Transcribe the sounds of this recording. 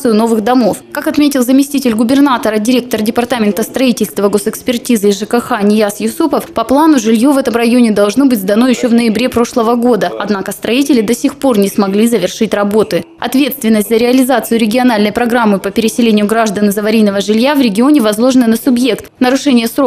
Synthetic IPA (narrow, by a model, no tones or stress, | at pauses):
sɨjʊno̞vɨɣd̪ɐmo̞fkakɐt̪mʲetʲɪlˠzəmʲɪsʲtʲitʲɪlʲɡʊbʲɪrnat̪əɾədʲɪɾʲe̞k̚t̪ərdʲɪpɐrt̪amʲɪnt̪əst̪ɾɐitʲɪlʲst̪vəɡo̞sɨkspʲɪrtʲizɨɪzʐɨkəxanʲɪjasjʊsupəfpɐplˠanʊʐɨlʲjovɛt̪əmrɐjo̞nʲɪd̪ɐlˠʐnobɨtʲzd̪ɐno̞jɪɕːo̞vnəjɪbɾʲe̞pɾo̞ʂlˠəvəɡo̞d̪əɐd̪nakəst̪ɾɐitʲɪlʲɪd̪ɐsʲɪxpo̞rnʲɪsmɐɡlʲizəvʲɪrʂɨtʲrɐbo̞t̪ɨ | ɐ̰t̪vʲe̞t̪st̪vʲɪnːəsʲtʲzəɾʲɪɐlʲɪzat̪sɨjʊɾʲɪɡʲɪɐnalʲnəjpɾɐɡɾamːɨpəpʲɪɾʲɪsʲɪlʲenʲɪjʊɡɾaʐd̪ənɨzəvɐɾʲijnəvəʐɨlʲjavɾʲɪɡʲɪo̞nʲɪvɐzlˠo̞ʐɨnɨnəsʊbje̞kt̪nəɾʊʂɛnʲɪjəsɾo